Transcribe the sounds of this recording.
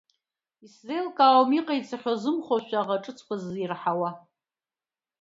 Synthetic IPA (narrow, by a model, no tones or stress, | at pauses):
iszejlkʼawmiqʼajt͡sʰʼaχʲozɨmχʷoʃᶣʷaʁaʈ͡ʂʼɨt͡sʰkʷʰazirħawa